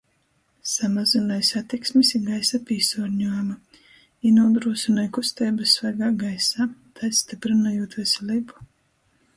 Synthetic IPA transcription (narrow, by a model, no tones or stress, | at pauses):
samazinajsat̪iksmisiɡajsapiːsɔːɾɲujama | inɔd̪ɾuɔsɨnajkust̪ɛːjbɨsːvæɾɡaːɡajsaːt̪ʰajst̪ipɾinajuːt̪vɛsɛlʲˠiːbu̥